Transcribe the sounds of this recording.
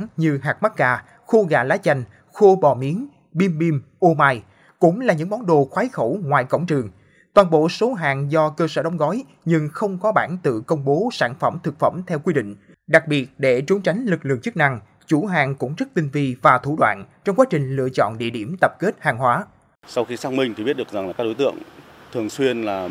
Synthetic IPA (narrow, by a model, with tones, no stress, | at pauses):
ɲɨ˧ɦaː˨˩k̚ma˦˥t̚ɣaː˧˩ | xo˧ɣa̰ː˧˩laː˨˦jt͡ɕa˧jŋ̟ | xo˧ɓɔ˨˩mi˨˦ən | ɓi˧mɓi˧mʔo˧maː˧j | kʊ̰˧˥ŋ͡mlaː˨˩ɲɨ̰˧˥ŋɓɔ˨˦nɗo˨xwaː˨˦jxə˧˩wŋwaː˨˩jkə̰˧˩wŋ͡mt͡ɕɨ˨˩əŋ | t̪waː˨˩nɓo̰˧˨so˨˦ɦaː˨˩ŋzɔ˧kəː˧səː˧˩ɗə˨˦wŋ͡mɣɔ˨˦j | ɲɨ˧ŋxə˧wŋ͡mkɔ˨˦ɓa̰ː˧˩nt̪ɨ̰˧˨kə˧wŋ͡mɓo˨˦saː˧˩nfə˧˩mt̪ʰɨ˨˩k̚fə˧˩mt̪ʰɛ˧wkwi˧ɗḭ̈˧˨ŋ̟ | ɗa˨˩k̚ɓi˨˩ət̚ɗe˧˩t͡ɕʊ˨˦ŋ͡mt͡ɕa˨˦jŋ̟lɨ˨˩k̚lɨ̰˧˨əŋt͡ɕɨ˦˥k̚na˧ŋ | t͡ɕu˧˩ɦaː˨˩ŋkʊ̰˧˥ŋ͡mzə˦˥t̚t̪ï˧ŋ̟vi˧vaː˨˩t̪ʰu˧˩ɗwa̰ː˧˨nt͡ɕɔ˧wŋ͡mkwaː˨˦˥t͡ɕï˨˩ŋ̟lɨ̰˧˨ət͡ɕɔ̰˧˨nɗḭ˧˨əɗi˧˩əmt̪ə˨˩p̚ke˦˥t̚haː˨˩ŋɦwaː˨˦ | sa˧wxi˧saː˦˥k̚mï˧ŋt̪i˨˩i˦˥t̚ɗɨ˨˩əkza˨˩ŋlaː˨˩kaː˦˥ɗo˨˦jt̪ɨ̰˧˨əŋt̪ʰɨ˨˩əŋswi˧ənlaː˨˩